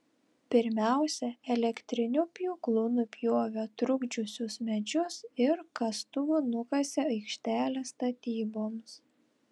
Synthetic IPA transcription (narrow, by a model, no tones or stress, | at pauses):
pʲɪɾʲmʲæˑʊsʲɛɛlʲɛkt̪ʲɾʲɪnʲʊpʲjuːklˠʊnʊpʲjoːʋʲot̪ɾʊɡd͡ʒʲʊsʲʊsmʲɛd͡ʒʲʊsɪɾkɐst̪ʊnʊkɐsʲɪɐɪkʃʲt̪ʲæːlʲeːst̪ɐt̪ʲiːboːms